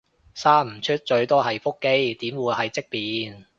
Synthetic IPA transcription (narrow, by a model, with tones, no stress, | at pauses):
saː˥m̩˨˩t͡ʃʰɵ˥t̚t͡ʃɵ˧ɥt̪ɔː˥ɦɐ˨jfo˥kːe˥jt̪iː˨˥mwuː˨˧jhɐ˨jt͡sɪ˥k̚piː˨˩n